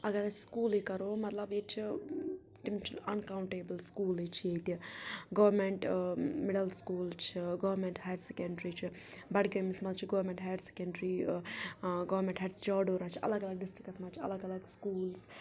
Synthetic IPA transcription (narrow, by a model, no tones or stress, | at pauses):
ɐɡɐɾɐt͡ʃʰskuːlikɐɾoːmɐt̪lɐbet͡ʃʰi | t̪imt͡ʃʰiɐnkaːwɳʈeːbəlskuːlit͡ʃʰiet̪iɡɐʋɐɾmeɳʈmɪɽɐlskuːlt͡ʃʰiɡɐʋɾmẽɳʈhajɾɖsekɐɳɖɾit͡ʃʰi | bɐɽɡɐmsmɐlt͡ʃʰiɡɐʋɾmẽɳʈɦajəɖse̥kɐɳɖɾiː | ɡɐʋɐɾmẽɳʈɦɐʈsd͡ʒaːɖoːɾaːt͡ʃʰiʔɐ̰lɐɡɐlɐɡ̚ɖɪsʈɾikɐsmaːt͡ʃʰiɐ̰lɐɡɐlɐɡskuːls